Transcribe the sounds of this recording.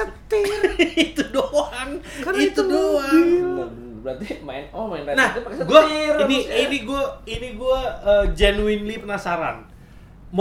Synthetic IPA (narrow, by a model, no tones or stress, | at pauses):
ət̪ɪit̪udoan | it̪udoan | bɾat̪imaɪnɔmaɪnanahpksɡuainiiniɡuainiɡuaəd͡ʒanuinlipənasaɾa̰n | m